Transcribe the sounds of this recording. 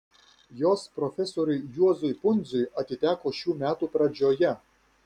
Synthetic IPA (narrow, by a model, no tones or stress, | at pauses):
joːspɾɔfʲɛsɔːɾʲʊɪjuɔzʊjpʊnʲd̪zʲʊjɐt̪ʲɪt̪ʲæːkoːʃʲuːmʲæːt̪uːpɾɐd͡ʒʲoːjɛ